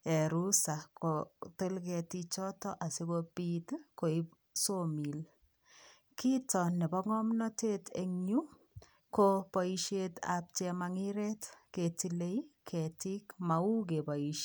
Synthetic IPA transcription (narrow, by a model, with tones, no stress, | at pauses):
ɛ˨ɾu˦sa˨kote˦lkɛ˨tit͡ʃɔ˦tɔ˦ʔa˨si˦ɡopitko˨i˦p | somi˨l | ki˦tɔnɛ˨bɔ˦ŋɔ˦mnɔ˦te˦tʰḛ˨ŋɲu | kopɔiʃeta̰p̚t͡ʃɛmaŋiɾɛtke˨tile˦ikʰɛ˨ti˦kma˨u˦k̬ebɔ˨iʃ